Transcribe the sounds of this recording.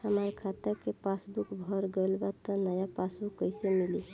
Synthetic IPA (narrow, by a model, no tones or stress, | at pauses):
həməɾkʰat̪eɾkepasbukbʱɔɾɡelbat̪ɔnəjapasbukːəjsemili